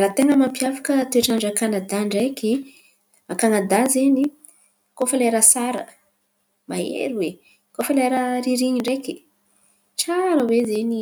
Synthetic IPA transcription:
ɾat̪eŋɡəmampjafḁkət̪ueʈ͡ʂaɳɖ͡ʐakanad̪aɳɖ͡ʐeki | akanad̪azeni | kofaleɾasaɾə̰ | maḛɾiwe | kofaleɾəɾiɾiɲiɳɖ͡ʐeki̥ | t͡saɾəwezeni

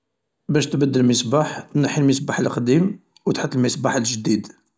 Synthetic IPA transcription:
bæʃt̪bəd̪ːəlməsbaħnəħilməsbaħəlqd̪im | wt̪ħət̪ˤːlməsbaħəlʒd̪id̪

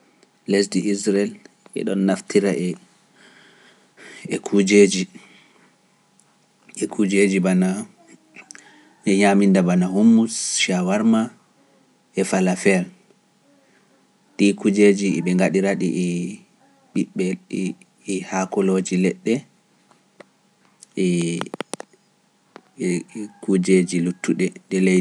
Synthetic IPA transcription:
lesdiʔisɾɛl | ʔɛ̰ɗɔnːaftiɾaʔɛ | ɛkʰud͡ʒeːd͡ʒi | ɛkʰud͡ʒed͡ʒibana | ɛɲamindabanaɦumːusʃawaɾma | ʔɛfalafɛl | ɗikud͡ʒed͡ʒiɛ̰ɓɛŋɡaɗiɾaɗiʔɛ | ɓiɓɛ | hakɔlod͡ʒilɛɗːɛ | ɛ | kud͡ʒed͡ʒilutːuɗɛɗɛle

